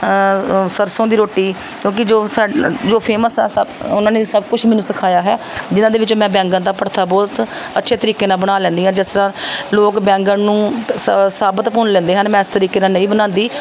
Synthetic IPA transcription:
səɾsõːd̪iːɾoːʈːiː | kjõːk̬ɪd͡ʒoːsaːd͡ʒoːpʰeːməsɦɛ̰ːsəʊnãːneːsəbkʊt͡ʃʰmɛːnũsəkʰaːjaːɦɛː | d͡ʒɪnãːd̪eːʋɪt͡ʃõːmɛ̃ːbɛ̃ːŋɡənd̪aːpəɽt̪ʰaːbɔːt̪ | ətːʃʰeːt̪əɾiːkeːnaːbəɽ̃aːlɛ̃ːnd̪iːɦãːd͡ʒɪst̪əɾãːloːkbɛ̃ːŋɡənnũːssaːbət̪pʊnlɛ̃ːnd̪eːɦənmɛ̃ːɪst̪əɾiːkeːnãːnəĩːbənãːnd̪iː

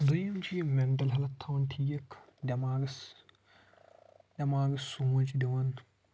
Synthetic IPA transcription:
d̪ɨjɐmt͡ʃʰimeɳʈɐlɦɐlɐt̪ʰːɐwɐnt̪ʰijɐk | d̪ʲɐmaːɡɐs | dʲɐmaːɡɐsːumɐt͡ʃʰid̪iʋɐn

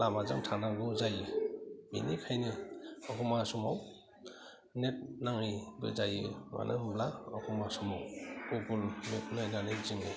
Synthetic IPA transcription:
lamazaŋtʰaŋnaɡɯzajɯmḭnikʰajnɯɔkʰumasumaw | net̚naŋijbɯ̰zajɯma̰nʔɯblaɔkʰumasumawuɡulmet̚nɯjnaneziŋɯ

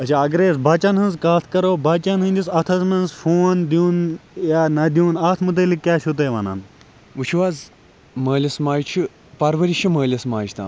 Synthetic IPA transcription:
ɐt͡ʃʰaɐɡɾeːsbɐt͡ʃɐnɦɐ̃nzkaːt̪ʰkɐɾoːbɐt͡ʃɐnɦɨ̃nʲd̪isɐt̪ʰɐsmɐnzfoːnd̪uːnjaːnɐd̪ʲũːnaːt̪ʰmut̪̬ɐlikːʲaːʃʰut̪̬eːʋɐnɐ̰n | ʋut͡ʃʰuʋaːz | məːlʲɐsmaːjt͡ʃʰɨ | pɐɾʋɐɾiʃʰɐməːlʲɐsmaːt͡ʃt̪a̰ːm

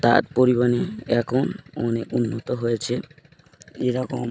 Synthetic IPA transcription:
t̪a̰ɾpoɾibaneɛkʰonɔneʔunːɔt̪ɔɦojet͡ʃʰe | eɾɔkɔm

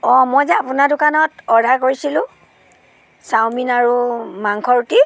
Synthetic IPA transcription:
ɔmɔjzɛapunadʊkanɔtɔdʱakoɹisilʊ̃ | sawminaɹumaŋkʰɔɹuti

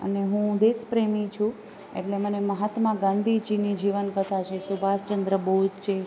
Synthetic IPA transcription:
ə̰neɦũd̪espɾemĩt͡ʃʰũ | ḛʈleməneməɦat̪mãɡãnd̪ʱid͡ʒinid͡ʒiʋənkət̪ʰat͡ʃʰesubʱaʃt͡ʃənd̪ɾəboɦud͡ʒt͡ʃʰe

